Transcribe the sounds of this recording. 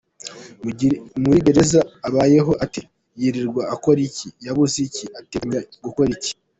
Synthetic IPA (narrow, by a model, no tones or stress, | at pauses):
muiɟe̞ɾe̞zaːβaːje̞ɦo̞ʔati | jiɾiɾɡwaːko̞ɾicijaβuziciateɲaɡuko̞ɾici̥